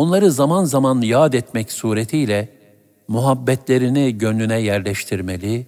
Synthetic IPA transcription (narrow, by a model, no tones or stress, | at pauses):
o̞nlˠaɾɯzamanzamanjaːd̪ɛt̪mɛcsuːɾet̪ʰijlʲɛ | muɦabːɛt̪ʰlʲe̞ɾiniɟønlʲynɛjæɾlʲɛʃt̪ʰiɾmelʲi